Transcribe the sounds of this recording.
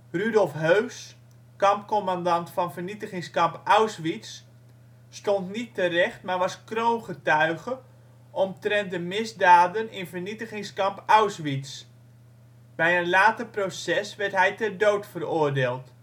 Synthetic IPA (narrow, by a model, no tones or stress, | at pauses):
rydɔlˠfɦøɥs | kɑmpkɔmandɑntfɑnvərnitəχɪŋskɑmpawsʋisː | tɔntnitːərɛχtmaːrʋɑskrowmχətœɥχə | ʔɔmtrɛnt̚dəmɪzdaːdənɪnvərnitəχɪŋskɑmpawsʋits | b̥ɛjənlaːtəprosɛsʋɛrtɦɛjtɛrdowtfərʊːrdeːlˠt